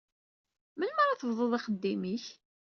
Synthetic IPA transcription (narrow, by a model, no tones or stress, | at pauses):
mənməɾaθəvðˤoðˤiχəd̪ːimiç